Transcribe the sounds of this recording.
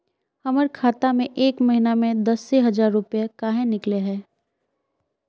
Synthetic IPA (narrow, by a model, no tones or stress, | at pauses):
hɐməɾkʰaːt̪amẽʔeːkmɐɦinamẽd̪ɐseɦɐd͡ʒaːɾːʊpjakaːɦẽnɪkleɦɛː